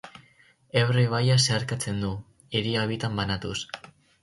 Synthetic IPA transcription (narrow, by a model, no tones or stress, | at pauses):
ewriβ̞ajaseaɾkat͡se̞nd̪u | eɾiaβit̪ambanat̪us